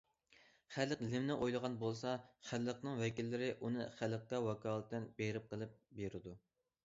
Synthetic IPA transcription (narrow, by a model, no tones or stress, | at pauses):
χælːəqlɪmnɪʔojlˠəʁɑnbolˠsɑχælːəqnɨŋwɛkʲilːɪɾɪʔunɨχælːəq̚kɛwɑkʰɑːlˠət̪ːɪnbeɾɪp̚qʰəlˠɨp̚beɾɪd̪u